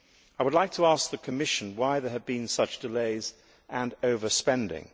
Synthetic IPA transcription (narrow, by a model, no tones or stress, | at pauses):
aɪwədˡlaɪk̚tʰəæsk̚ðɨkʰɨmɪʃɨ̃n̩waɪðə˞ɨd̚bĩnsʌt͡ʃd̥ɨleɪz | ʔɨ̃noʊvə˞spɛ̃ndɪ̰̃ŋ